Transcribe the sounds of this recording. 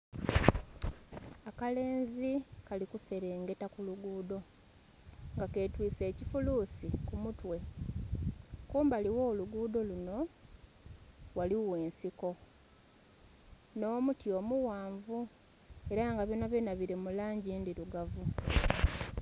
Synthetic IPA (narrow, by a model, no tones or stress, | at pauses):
akale̞ːnzikalikuse̞ɾe̞ːŋɡe̞takuluɡuːdo̞ | ŋɡake̞ːtwiːse̞ːcifuluːsikumutwe̞ | kuːmbaliwo̞ːluɡuːdo̞luno̞ | waliwe̞ːnsiko̞ | no̞ːmutjo̞ːmuwaːɱvu | e̞ɾaŋɡaβjonaβenaβiɾe̞mulaːɲɟindiluɡavu